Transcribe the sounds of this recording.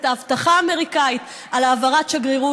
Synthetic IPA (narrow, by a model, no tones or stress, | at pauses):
t̪aavt̪aχaːme̞ʁikait̪ | alaːvaʁatʃaɡʁiʁu